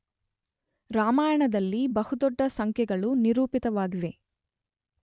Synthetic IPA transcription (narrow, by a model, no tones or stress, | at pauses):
ɾaːmaːjɐɳɐd̪ɐlːibɐhud̪ɔɖːɐsɐŋkʰjɛɡɐɭuniɾuːpit̪ɐʋaːɡiʋe̞